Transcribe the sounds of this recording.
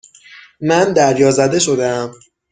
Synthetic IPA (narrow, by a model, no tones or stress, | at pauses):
mænd̪æɾjɒːzæd̪e̞ʃo̞d̪eæm